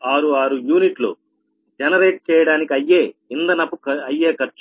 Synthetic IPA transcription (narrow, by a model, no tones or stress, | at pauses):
aːɾuaːɾujuːniʈlo̰ː | d͡ʒɛnɐɾeːʈ̚t͡ʃɛːjɐɽaːnikiɐjːeːind̪ɐnɐpːuɐjːeːkɐɾt͡ʃ